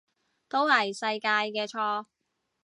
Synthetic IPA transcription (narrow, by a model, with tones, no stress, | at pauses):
t̪o˥whɐ˨˩jsɐ˧jkaː˧jkɛː˧t͡ʃʰɔː˧